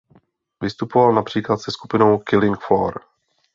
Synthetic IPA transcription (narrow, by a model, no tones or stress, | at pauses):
vɪst̪upovalnapr̝̥iːklat̪sɛskupɪno̞wkɪlɪŋkfo̰ːɾ